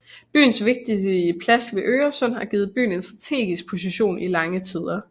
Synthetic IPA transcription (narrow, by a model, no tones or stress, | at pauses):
b̥y̰ːnsʋe̝ɡ̥̚d̥iəpʰlæsʋe̝ʔøːɐsɒ̽n̰hɑ̈ɡ̥iːð̩ˠb̥y̰ːn̩e̝nsd̥ʁɑ̈t͡sʰe̝̰ːɡ̥isɡ̥̚pʰo̝siɕo̝̰ːnʔilɑ̈ŋət͡sʰiðˠɐ